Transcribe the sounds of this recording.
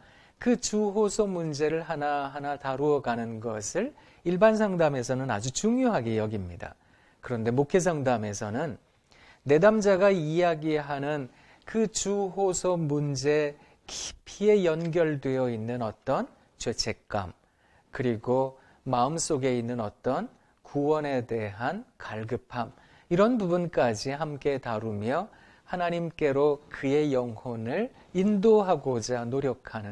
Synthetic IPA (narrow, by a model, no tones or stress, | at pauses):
kɯt͡ɕuɦosʰomund͡ʑe̞ɾɯɭɦanaɦanataɾuʌɡanɯnɡʌsʰɯɭ | iɭbansʰaŋdame̞s̬ʰʌnɯna̰d͡ʑut͡ɕuŋjoɦaɡe̞jʌɡimɲida̰ | kɯɾʌnde̞mokʰe̞s̬ʰaŋdame̞sʰʌnɯnː | e̞damd͡ʑaɡaiaɡiɦanɯn | kɯt͡ɕuɦosʰomund͡ʑe̞ | kipʰie̞jʌnɡjʌɭdwe̞jʌinːɯnʌt͈ʌn | t͡ɕwe̞t͡ɕʰe̞k̚k͈a̰m | kɯɾiɡo | maɯms͈oɡe̞inːɯnʌt͈ʌn | kuwʌne̞de̞ɦankaɭɡɯpʰam | iɾʌnbubunk͈ad͡ʑiɦamk͈e̞taɾumjʌ | hanaɲimk͈e̞ɾokɯe̞jʌŋhonɯɭ | indoɦaɡod͡ʑanoɾjʌkʰanɯ